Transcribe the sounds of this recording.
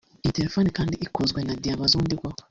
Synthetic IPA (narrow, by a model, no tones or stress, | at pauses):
iteɾefonikaːndiikozɡwenadijaβazuːndiɾɡwaho